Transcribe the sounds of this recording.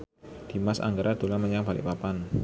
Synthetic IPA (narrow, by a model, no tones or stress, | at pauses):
d̪̥i̤masa̰ŋɡaɾad̪̥olaməɲabalḭʔpapan